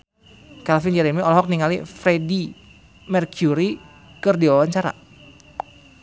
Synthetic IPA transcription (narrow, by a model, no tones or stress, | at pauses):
kalfind͡ʒɛɾemiɔlɔɦɔk̚niŋalifɾedi | mɛrkjuɾi | kɨrdiwawaɲt͡ʃaɾa̰